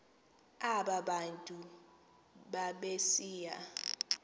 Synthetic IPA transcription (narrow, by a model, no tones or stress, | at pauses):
aɓaɓantʼu | ɓaɓesiːja